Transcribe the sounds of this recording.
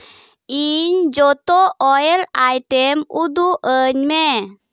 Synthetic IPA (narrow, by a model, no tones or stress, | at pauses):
iɲd͡ʒɔt̪ɔʔɔlajʈɛmud̪uʔəɲme